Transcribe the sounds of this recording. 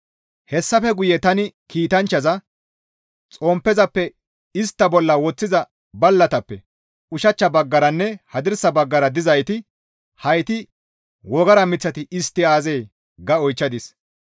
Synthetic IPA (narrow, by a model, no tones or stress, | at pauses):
hɛsːɐfɛɡʊjɛt̪ɐnɪkiːt̪ɐnt͡ʃːɐzɐ | t͡sʼɔːmpːɛzɐpːɛ | ɪst̪ːɐbɔlːɐwɔt͡sːɪzɐ | bɐlːɐt̪ɐpːɛ | ʊʃɐt͡ʃːɐbɐɡːɐɾɐnːɛhɐd̪ɪɾsɐbɐɡːɐɾɐd̪ɪzɐjt̪ɪ | hɐjt̪ɪ | wɔɡɐɾɐmɪt͡sːɐt̪ɪɪst̪ːɪaːzeː | ɡɐɔjt͡ʃːɐd̪ɪs